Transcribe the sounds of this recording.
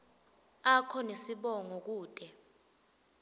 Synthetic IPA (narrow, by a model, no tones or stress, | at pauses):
akʰɔnesiɓɔŋok̬uːd̥ʼɛ